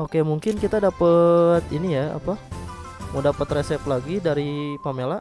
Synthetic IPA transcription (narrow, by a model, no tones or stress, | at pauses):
ʔokemuŋkɪnkit̪adapət̪inijaa̰pa | mudapət̪resɛplaɡidaɾipamela